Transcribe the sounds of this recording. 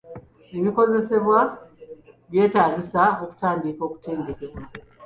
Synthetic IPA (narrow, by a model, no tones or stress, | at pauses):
eβiko̞ze̞se̞βwa | βje̞ːtaːɡisao̞ku̥taːndiko̞ːku̥te̞ːndeke̞ka